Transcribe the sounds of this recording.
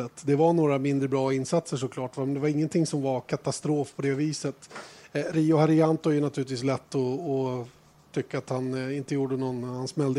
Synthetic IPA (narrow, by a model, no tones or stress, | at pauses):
ət̪ːd̪ɛvaɳoːɾamɪnd̪ɾəbɾɑːɪnsat̪səʂɔkʰlɑːʈvamɛnd̪ɛvaɾɪŋːənt̪ʰɪŋsɔmvaɾkʰat̪ast̪ɾoːfpʰɔd̪ɛviːsət̪ | ɾiːʊhaɾɪant̪ʊæɾjɵnat̪ʰʉ̟ːɪt̪viːs̬lɛt̪ːɔː | t̪ʰʏkːaat̪hanɪnt̪əjuːɖənɔnhansmɛld̪ə